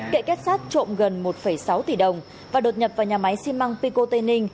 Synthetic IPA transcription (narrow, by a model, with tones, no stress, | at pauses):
kḛ˧˨kɛ˦˥t̚saː˦˥t̚t͡ɕo̰˧˨mɣə˨˩nmo˨˩t̚fə˧˩jsa˨˦wt̪i˨˩ɗə˨˩wŋ͡m | vaː˨˩ɗo˨˩t̚ɲə˨˩p̚vaː˨˩wɲaː˨˩ma˨˦jsi˧mma˧ŋpi˧ko˧t̪e˧nï˧ŋ̟